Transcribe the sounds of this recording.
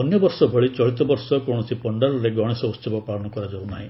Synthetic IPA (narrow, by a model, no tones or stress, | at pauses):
ɔnjɔbɔɾsɔbʱɔɭit͡ʃɔɭit̪ɔbɔɾsɔkõɔsipɔɳɖaɾɔɾeɡɔɽ̃esɔust͡ʃʰɔbɔpalɔñɔkɔɾad͡ʒawnaɦĩ